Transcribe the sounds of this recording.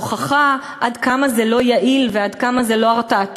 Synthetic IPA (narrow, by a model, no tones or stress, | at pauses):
χaχa | ʔad̪kamazelo̞jaʔilvead̪kamazelo̞aʁtat